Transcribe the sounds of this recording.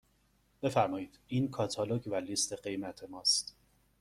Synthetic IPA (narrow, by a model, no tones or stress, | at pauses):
b̥e̞fæɾmɒːjiːd̪̥iːnkʰɒːt̪ʰɒːlocʰvæliːst̪ʰe̞ɢe̞jmæt̪ʰe̞mɒːst̪